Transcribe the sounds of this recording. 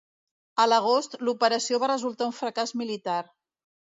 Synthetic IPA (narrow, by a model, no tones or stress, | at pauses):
ələɣ̞ost̪lupəɾəsioβarəzulˠt̪auɱfɾəkazmilit̪aɾ